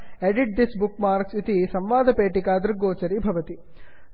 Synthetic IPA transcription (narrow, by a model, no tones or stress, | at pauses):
eɖiʈ̚d̪isbukmaːɾksit̪isɐmʋaːd̪ʱɐpeːʈikaːd̪ɾɡoːt͡ʃɐɾibʱɐʋɐt̪i